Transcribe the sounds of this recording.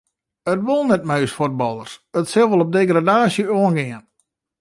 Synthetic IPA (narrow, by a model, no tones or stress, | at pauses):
ətʋulˠnɛt̚maɥsfot̚bɔlˠərsətsɪlˠʋəlˠɔp̚deɡradaːsjəoənɡɪən